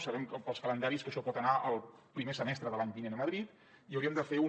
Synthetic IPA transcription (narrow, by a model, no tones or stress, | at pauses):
səβɛmkəpəlˠskələnd̪aɾiskəʃɔpɔt̪ənaʔəlˠpɾimesəmɛst̪ɾəðəlaɲbinenəməðɾit̪ | iəwɾiəmd̪əfeu